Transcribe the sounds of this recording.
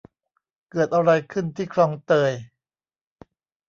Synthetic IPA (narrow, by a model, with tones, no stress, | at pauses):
kɤː˨˩ət̪̚ʔa˧wɾa˧jkʰɯ˥˩nt̪ʰiː˥˩kʰɾɔː˧ŋt̪ɤː˧j